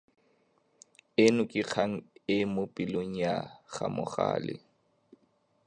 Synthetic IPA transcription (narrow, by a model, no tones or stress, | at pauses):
ɪnʊkʼɪk͡xʰaŋ̩ɪmʊpʼiloŋ̩jaχamʊ̰χa̰ːlɪ̰